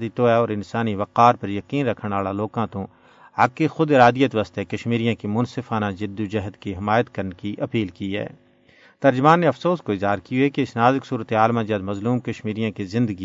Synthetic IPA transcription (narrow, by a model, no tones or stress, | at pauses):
d̪it̪oɛɔːɾɪnsaːniʋɐqaːɾpɐɾjɐqiːnɾɐkʰəɽ̃aːlaloːkãt̪õ | aːkːexʊd̪ɪɾaːd̪ijət̪ʋɐst̪ekɐʃmiːɾijãkimʊnsɪfaːnad͡ʒɪd̪ːud͡ʒɐɦd̪kiɦɪmaːjət̪kɐɾnkiʔɐpiːlkiɦɛ̰ː | t̪ɐɾd͡ʒʊmaːnːeɐfsoːskoɪzɦaːɾkijuɦɛkeɪsnaːzɪksuːɾət̪eaːlmãd͡ʒɐd̪mɐzluːmkɐʃmiːɾijãkizɪ̃nd̪əɡi